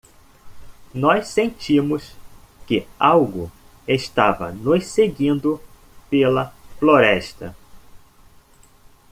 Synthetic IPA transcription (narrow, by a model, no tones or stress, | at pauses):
nɔssẽnt͡ʃimʊs | kɪawɡʊ | eʃt̪avɐ̰nʊsseɡĩnd̪ʊ | pelɐfloɾɛʃt̪ɐ